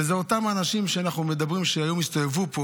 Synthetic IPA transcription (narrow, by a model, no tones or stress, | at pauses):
ezeo̞tamanaʃimʃeanaχnumed̪abʁimʃeajo̞mist̪o̞jevupo